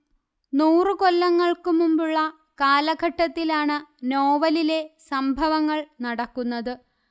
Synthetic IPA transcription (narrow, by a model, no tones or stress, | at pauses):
nuːrɨko̞lːɐŋːɐɭkɨmumbuɭːɐ | kaːlɐɡʱɐʈːɐt̪ːilaːɳɨno̞ːʋɐlile̞sɐmbʱɐʋɐŋːɐɭnɐɽɐkːunːɐðɨ